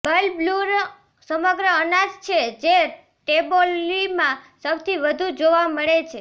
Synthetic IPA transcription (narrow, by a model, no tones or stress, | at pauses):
bəlbluɾ | səməɡɾəənad͡ʒt͡ʃʰed͡ʒe | ʈebolːimãsəwt̪ʰiʋəd̪ʱud͡ʒoʋaməɭet͡ʃʰe